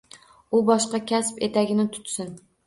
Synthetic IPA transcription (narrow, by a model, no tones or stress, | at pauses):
ʊbɒʃqɑkʲʰæspet̪ʰæɡʲɪnɪt̪ʰʊ̥t̪sɪn